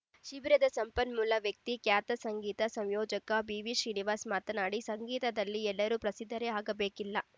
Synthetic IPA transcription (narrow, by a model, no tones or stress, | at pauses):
ʃibɾɐd̪ɐsɐmpɐnmulːɐʋjɐk̚t̪ikjaːt̪ɐsɐŋɡiːt̪ɐsɐmjɔːd͡ʒɐkɐbiːʋiʃɾiːniʋaːsmaːt̪ɐnaːɽisɐŋɡiːt̪ɐd̪ɐlːiɛlːɐɾuːpɾɐsid̪ʱːɐɾeaːɡɐbeːkilːɐ